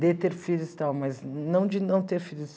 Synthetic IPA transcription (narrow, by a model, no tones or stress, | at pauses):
d̪et̪eɾfilʊst̪awmɐznɐ̃w̃d͡ʒɪnɐ̃w̃t̪eɾfilʊs